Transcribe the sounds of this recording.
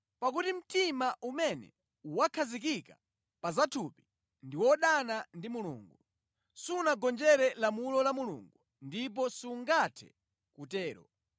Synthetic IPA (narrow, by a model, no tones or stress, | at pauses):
pakutim̩timaʔumɛnɛ̰ | uwakʰazik̬ika | pazatʰupi | ndiwɔɗanandimulṵːŋɡu | sunaɡɔnd͡ʒɛɾɛlamulɔlamulṵŋɡu | ndip̬ɔsiŋɡatʰɛ̰ | kutɛːɾɔ̰